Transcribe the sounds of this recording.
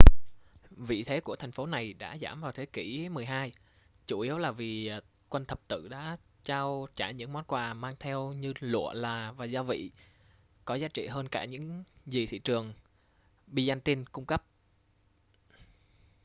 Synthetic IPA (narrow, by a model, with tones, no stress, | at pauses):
vḭ˧˨t̪ʰe˨˦ku˧˩ət̪ʰjŋ̟fo˨˦na˨˩jɗa̰ː˧˥zaː˧˩mvaː˨˩wt̪ʰe˨˦ki˧˩mɨ˨˩əjɦaː˧j | t͡ɕu˧˩ʔi˨˦əwlaː˨˩vi˨˩ | kwə˧nt̪ʰə˨˩p̚t̪ɨ̰˧˨ɗa̰ː˧˥ | t͡ɕaː˧wt͡ɕaː˧˩ɲɨ̰˧˥ŋm˨˦˥t̚kwaː˨˩maː˧ŋt̪ʰɛ˧wɲɨ˧lṵ˧˨əlaː˨˩vaː˨˩zaː˧vḭ˧˨ | kɔ˨˦zaː˨˦˥t͡ɕḭ˧˨ɦəː˧nkaː˧˩ɲɨ̰˧˥ŋzi˨˩t̪ʰḭ˧˨t͡ɕɨ˨˩əŋ | ɓi˧za˧nt̪i˧nkʊ˧ŋ͡mkə˦˥p̚